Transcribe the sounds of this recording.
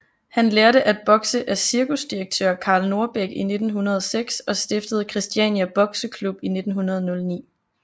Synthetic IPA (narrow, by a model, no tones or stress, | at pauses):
hænleːɐɾəʔæd̥̚b̥ɒ̽ɡ̥səʔæɐsiɐkʰusd̥iʁeɡ̥̚t͡sʰø̰ɐ̰kʰɑ̈ːlno̝ɐb̥eɡ̥ine̝d̥n̩ɦunɐð̞ˠɒseɡ̥sɒ̽sd̥e̝fd̥əð̞ˠkʰʁisd̥iɛnjæb̥ɒ̽ɡ̥səkʰlub̥ine̝d̥n̩ɦunɐð̞ˠnɔ̽lnḭː